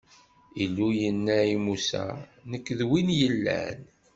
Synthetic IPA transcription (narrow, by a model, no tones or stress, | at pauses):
ilːujənːæimusæ̰nəkːðwinjəlːæ̰n